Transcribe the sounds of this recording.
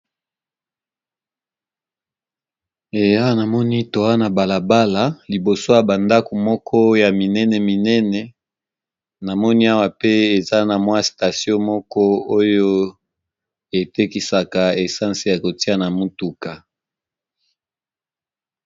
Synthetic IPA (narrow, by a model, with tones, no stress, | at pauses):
e˨ja˦na˨mɔ˦ni˦to˨wa˦na˨ba˨la˨ba˦la˨li˨bo˨so˦ja˨ba˨nda˦ko˨mɔ˦kʰɔ˦ja˨mi˨nɛ˦nɛ˨mi˨nɛ˦nɛ˨ | na˨mɔ˦ni˦a˦wa˨pe˦e˨za˦na˨mwa˦sta˨sjɔ̃˦mɔ˦kɔ˦o˦jo˦ | e˨te˦ki˦sa˨ka˨e˨sã˦nse˨ja˨ko˨ti˦a˦na˨mu˦tu˨ka˨